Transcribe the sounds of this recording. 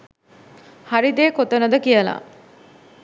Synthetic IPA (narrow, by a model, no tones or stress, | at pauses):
haɾid̪eːkot̪ənəd̪əkijəla̰ː